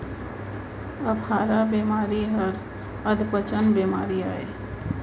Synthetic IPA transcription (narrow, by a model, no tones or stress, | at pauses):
əpʰhaːɾabeːmaːɾiɦəɾ | əd̪pət͡ʃənbemaːɾiaːe